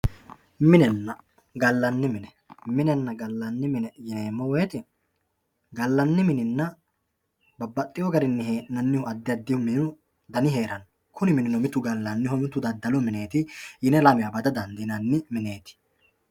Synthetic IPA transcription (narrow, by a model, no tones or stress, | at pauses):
mɪnɛnːɐ | ɡɐlːɐnːɪmɪnɛ | mɪnɛnːɐɡɐlːɐnːɪmɪnɛjeːmːɔwɔɛt̪ɪ | ɡɐlːɐnːɪmɪnɪnːɐ | bɐbːɐt̪ʼːɪjɔɡɐɾɪnːɪɦeːʔnɐnːɪhʊɐd̪ːɪjɐd̪ːɪhʊmɪʊ | d̪ɐnɪɦe̞ːɾɐn | kʊnɪmɪnɪnɔmɪt̪ːʊɡɐlːɐnːɪhɔmɪt̪ːʊd̪ɐd̪ːɐlɔmɪneːt̪ɪjɪnɛlɐmɪjɐbɐd̪ɐd̪ɐnd̪ɪnɐnːɪmɪne̞ːt̪ɪ̥